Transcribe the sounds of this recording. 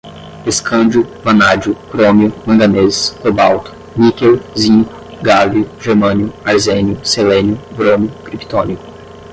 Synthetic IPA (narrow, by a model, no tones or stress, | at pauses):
eskʰɐ̃d͡ʒʊvɐ̃nad͡ʒʊkɾomiʊmɐ̃ɡ̪ɐneskobawt̪ʊ̥ | nikewzĩ | ɡaliʊʒeɾmɐ̃njʊaɾzẽnjʊselẽnjʊbɾõmiʊkɾipi̥t̪õniʊ